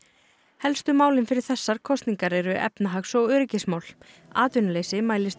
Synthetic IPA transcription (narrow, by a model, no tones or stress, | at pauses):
hɛlst̪ʏmaːwlɪnfɪɾɪɾ̥θɛsːaɾ̥kʰɔst̪niŋkaɾeːjɾʏʔɛ̰pnaɦaksɔɣœːɾɪcɪsmaːwl | aːt̪ʏnʏleːjsɪmaːjlɪst̪